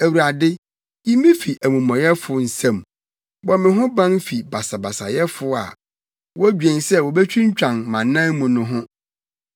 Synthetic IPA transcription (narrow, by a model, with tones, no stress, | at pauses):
æ˨wu˨a˨dɪ˦ | jĩ˦mĩ˦fi˨ʔæ˨mũ˨mɔ̃˨jɛ˦fʊ˨n̩˨sã˨m | wɔ˨˦mɪ̃˨ɦʊ̃˦bã˦nfi˨ba˨sa˨ba˨sa˨jɛ˦fʊ˦a̰˨ | wɔ˦æ˦d͡ʑᶣɛ̃˨nsɛ˦˨wɔ˨bɛ˦t͡ɕʰᶣi˦ɲ˦t͡ɕᶣã˨nmã˨nːã˦nmũ˨nʊ̃˦ɦʊ̃˦